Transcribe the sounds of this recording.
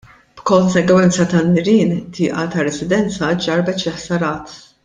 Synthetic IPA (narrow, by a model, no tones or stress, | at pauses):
b̥kɔnsɛɡwɛnt͡sɐt̪ɐnːɪɾiːnt̪ʰɪːʔɐt̪ɐɾɛsɪd̪ɛnt͡sɐd͡ʒɐɾbɛt͡ʃlɪħsɐɾɐːt̪